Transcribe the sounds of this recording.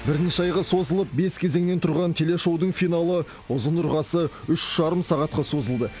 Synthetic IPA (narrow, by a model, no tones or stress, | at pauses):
bɪɾnʃɑjʁəso̞zəlˠəp̚be̞skʲʰe̞ze̞ŋne̞nt̪ʰʊɾʁɑnt̪ʰe̞le̞ʃo̞wd̪əɴfijnɑlˠə | ʊzənʊɾʁɑsəʏʃʒ̥ɑɾəmsɑʁɑt̪qɑso̞zəlˠd̪ə